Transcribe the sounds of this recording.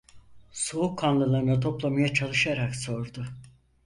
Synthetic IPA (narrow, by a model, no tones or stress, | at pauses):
suukʰːanlˠɯlˠaɾɯnat̪ʰo̞plˠamajat͡ʃʰalˠɯʃaɾakso̞ɾd̪ʊ